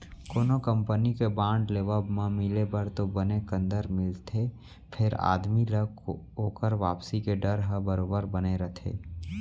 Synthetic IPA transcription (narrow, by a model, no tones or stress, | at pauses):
koːnokə̃mpənikebãːɳɖleːʋəbmãmɪlebəɾt̪obənekə̃nd̪əɾmɪlt̪ʰe | pʰɪɾa̰ːd̪milək | oːkəɾʋaːpsikeɖəɾɦəbəɾoːbəɾbəneɾət̪ʰḛː